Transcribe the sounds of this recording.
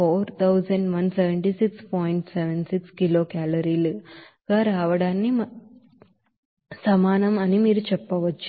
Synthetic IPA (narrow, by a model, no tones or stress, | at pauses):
oːɾt̪ʰɐwzɐɳɖʋɐnseʋeɳʈisikspoːjɳʈsɛʋensikskiloːkaːlɐɾiːlu | ɡaɾaːʋɐɽaːnːi | sɐmaːnɐmɐnimiːɾut͡ʃɛpːɐʋɐt͡ʃːu